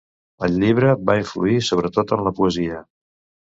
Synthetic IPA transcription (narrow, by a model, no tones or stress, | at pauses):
əlʎiβ̞ɾəβaiɱflṵisoβ̞ɾət̪ot̪ənləpuəziə